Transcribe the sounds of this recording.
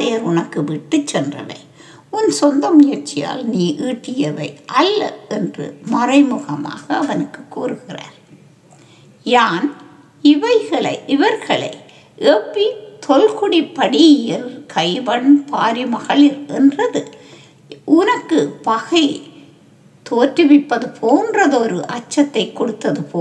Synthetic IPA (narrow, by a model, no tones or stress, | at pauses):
ðeːɾʊnɐkːɯʋɪʈːɯt͡ʃːɛndrɐ̰ʋɐ̰ɪ | ʊnsɔnd̪ɐmʊjɐɾt͡ʃːɪja̰ːlniːʔiːʈːɪjɐʋɐɪʔɐlːɐ̰ɛndrɯ̰mɐrɐɪmɯɣɐma̰ːɣɐːʋɐnɯkːɯkːuːrɯɣɪra̰ːɾ | jaːn | ɪʋɐɪɣɐɭɐɪɪʋɐɾɣɐɭɐ̰ɪ | ʔɛpːit̪ʰɔlkʊɽipːɐɽijɪlkʰɐɪʋɐɳpʰaːɾimɐɣɐɭɪɾʔɛndrɐðɯ | ʔʊnɐkːɯpɐɣɐɪ | t̪oːtːɯʋɪpːɐðɯpʰoːndrɐðɔɾɯʔɐt͡ʃːɐt̪ːɐɪkːɔɽɯt̪ːɐðɯpoː